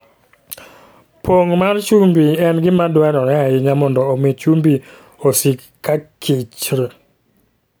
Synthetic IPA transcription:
poŋmart͡ʃumbiɛnɡɪmadwɛnɔɾɛaɪɲamɔndɔːmɪt͡ʃumbi | osikː | akʰɪt͡ʃɾɛ

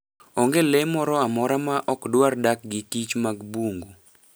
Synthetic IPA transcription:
ɔŋɡelemɔɾɔamɔɾamaʔɔkdwardak̚ɡɪkit͡ʃmaɡbuŋɡu

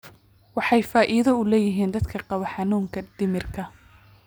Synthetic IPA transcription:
wɑħɑjfaːʔiːðɐʊlɛːjɪɦiːnd̪ɐd̪kʰɐqɑβɐħɑnuːŋkʰɐd̪̥ɪmɪrkʰɐ

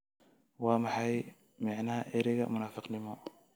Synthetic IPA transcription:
waːmɐħɑj | mɑʕnɐhɐʔɛɾɪɣɐ̰mʊnaːfɪqnɪmɔ

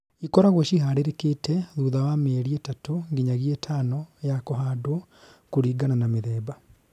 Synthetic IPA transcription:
ikɔɾaɣwɔʃiɦaɾeɾekeːtʰɛðuːðawamɛɾiɛtatoŋɡiɲaɣiɛtʰanɔjakɔɦado | kuɾiːɡananameðɛːba

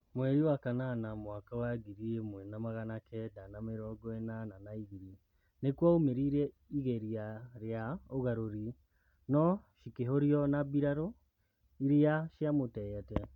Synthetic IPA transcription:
mwɛɾiwakananamwakawaɡiɾiemwɛnamaɣanakɛdanameɾɔɡɔɛnananaiɣiɾi | nekwaumeɾiɾɛ | iɣeɾiaɾeaoɣaɾoɾi | nɔʃikeɦoɾiɔnabiɾaɾo | iɾiaʃjamotɛjɛtɛ

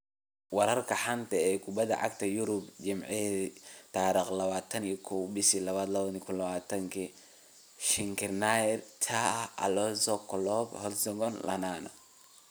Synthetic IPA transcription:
wɐɾɐrkʰɐħant̪ʰɐɛːkʰʊbɐðɐ̰ʕa̰k̚t̪ʰɐjʊɾʊbd͡ʒɪmʕɛit̪ʰaːɾiqlɐβaːt̪ʰɐnikʰɔwbɪsilɐβaːd̪lɐβɐnikʰʊnlɐβaːt̪ʰɐŋkʰi | ʃɪŋkɪrnajɛrt̪ʰaɐ̰lɔsɔkʰɔlɔɡhɔlsɔɡɔnlʔɐ̰naːnɔ̰

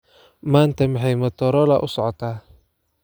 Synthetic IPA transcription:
maːnt̪ʰɐmɑħɑjmɐt̪ʰɔɾɔlɐʔʊsɔʕɔt̪ʰaː

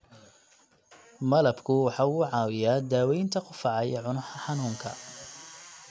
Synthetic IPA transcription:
mɐlɐbkʰʊwɑħɑːuːʕɑːwɪjaːd̪aːwɛjnt̪ʰɐqʊfɑʕɑjɛʕʊnʊħħɑnuːŋkʰɐ̰

